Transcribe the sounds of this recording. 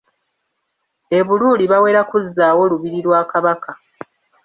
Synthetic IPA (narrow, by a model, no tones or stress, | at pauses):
e̞βuluːliβawe̞ːɾakuzːaːwo̞luβiɾiɾwaːkaβaka